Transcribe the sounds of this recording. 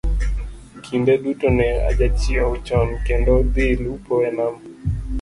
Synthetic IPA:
kʰindɛɗutɔnɛa̰ʄat͡ʃiaut͡ʃɔnkɛndɔd̪ilupɔɾɛnam

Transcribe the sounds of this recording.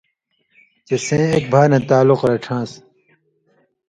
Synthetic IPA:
t͡ɕesẽːek̚bʱaːnɐ̃t̪aːluqɾɐʈ͡ʂʰãːs

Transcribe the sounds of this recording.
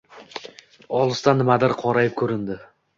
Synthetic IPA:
ɒlˠɨst̪anːɪmad̪ɪɾqʰɒɾajɪp̚kʲʰɵɾɪnd̪ɪ

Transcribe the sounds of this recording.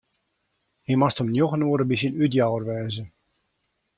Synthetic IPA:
himastəmnjoɣənuəɾəbis̬ənytjawərʋɛːzə

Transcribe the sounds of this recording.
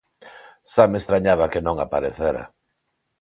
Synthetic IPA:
samest̪ɾaɲaβakenõŋapaɾeθeɾa̰

